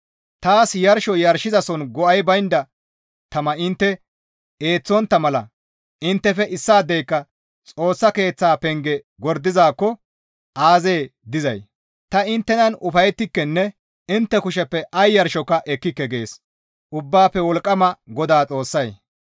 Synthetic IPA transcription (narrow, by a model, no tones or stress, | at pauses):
t̪aːsjɐɾʃɔjɐɾʃɪzɐsɔnɡɔɐjbɐjnd̪ɐ | t̪ɐmɐɪnt̪ːɛ | eːt͡sːɔnt̪ːɐmɐlɐ̰ | ɪnt̪ːɛfɛʔɪsːaːd̪ːɛjkːɐ | t͡sʼo̞ːsːɐke̞ːt͡sːaːpɛŋɡɛ | ɡɔɾd̪ɪzaːkːɔ | ʔaːze̞ːd̪ɪzɐj | t̪ɐɪnt̪ːɛnɐnʊfɐjɛt̪ːɪkːɛnːɛ | ɪnt̪ːɛkʊʃɛpːɛʔɐjːɐɾʃɔkːɐʔɛkːɪkːɛɡe̞ːs | ʔʊbːaːpːɛwɔlkʼːɐmɐɡɔd̪aːt͡sʼo̞ːsːɐj